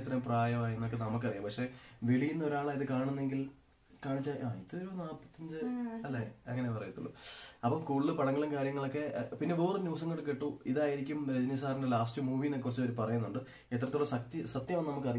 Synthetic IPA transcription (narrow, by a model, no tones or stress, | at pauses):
t̪ːrɐjumpraːjɐmaːjenːok̬ːenɐmuk̬ːɐrijampɐkʂe̞ːʋeɭijunːɐoɾaːɭaːiðɨkaːɳunːe̞ŋɡil | kaːɳit͡ɕːaːʔaːiðɨɾoːnaːpːɐt̪ːiɲd͡ʑɨɐlːeɐŋːɐnepɐrɐjut̪ːṵɭːṵɐpːɐmkuːɭːɨpɐɳɐŋːɐɭɐmkaːɾjɐŋːɐɭokːe̞pinːeʋeːrɨnjuːs̬ɐŋːoɽɨkeʈːuiðaːjiɾikʲːumɾed͡ʑɐnis̬aːrɐnelaːstɨmuːʋinekːurɐt͡ɕːo̞ɾupɐrɐjunːuɳɖɨ | et̪rɐt̪ːoɭɐsɐt̪isɐt̪jɐmannɐmuk̬ːɨɐrij